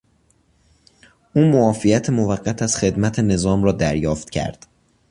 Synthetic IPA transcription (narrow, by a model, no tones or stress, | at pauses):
ʔuːmoɒːfijæt̪ʰemovæɢːæt̪ʰæz̥xe̞d̪mæt̪ʰene̞zɒːmrɒːd̪æɾjɒːft̪cʰæ̰ɾd̪̥